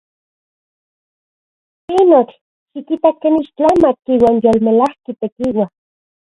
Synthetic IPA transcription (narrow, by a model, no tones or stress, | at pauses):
pinot͡ɬ | ʃikit̪akːeniʃt͡ɬamakiːwaːnjoːlmelahkit̪ekiwa